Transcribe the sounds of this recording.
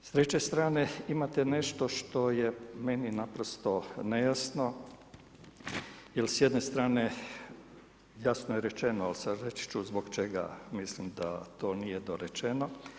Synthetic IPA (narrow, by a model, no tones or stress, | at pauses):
st̪ɾet͡ɕest̪ɾaːne̞imat̪ene̞ʃt̪o̞ʃt̪o̞jeme̞ninapɾost̪o̞nejasno̞ | jelsjed̪nest̪ɾaːne̞ | jasnojeɾet͡ʃe̞noalsaɾet͡ʃi̥t͡ʃuzboɡt͡ʃeɡa̰mislimd̪a̰t̪o̞ːnijed̪oɾet͡ʃeno̞